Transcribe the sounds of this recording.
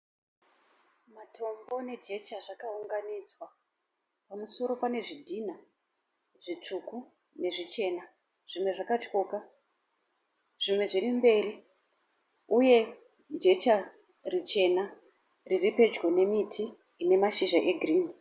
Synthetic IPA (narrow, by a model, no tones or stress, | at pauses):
matʰo̞mbo̞ne̞d͡ʒe̞t͡ʃaʐakauŋɡanid͡zwa | pamuso̞ɾo̞pane̞ʐidʱina | ʐ̥it͡ʂuku | ne̞ʐit͡ʃe̞na | ʐ̥imwe̞ʐakat͡ʃoka | ʐ̥imwe̞ʐirimbe̞ːɾi | uje̞ | d͡ʒe̞t͡ʃa | rit͡ʃe̞na | riripe̞d͡ʒɡwe̞ne̞mitʰiː | ne̞maʃiʒaʔe̞ɡʱrin